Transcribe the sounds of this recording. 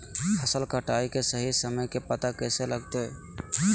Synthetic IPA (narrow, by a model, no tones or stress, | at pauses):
əsəlkəʈaikesəɦisəməjkepət̪akɛːseləɡt̪e